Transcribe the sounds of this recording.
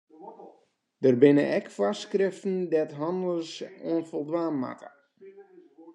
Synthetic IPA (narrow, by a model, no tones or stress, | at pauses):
d̥ərbɪnəʔɛkfaskrɪftn̩dɛtɦɔndəlsuənfɔlˠdʋaːmːa̰kə̥